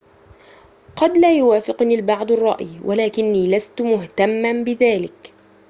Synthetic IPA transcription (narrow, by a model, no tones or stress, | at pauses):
qɑd̪laːjʊwaːfɪqnilbɑʕd̪ˤɑrˤːɑ̰ʔjwʔalaːkɪnːiːlast̪mʊht̪amːanbɪðaːlɪk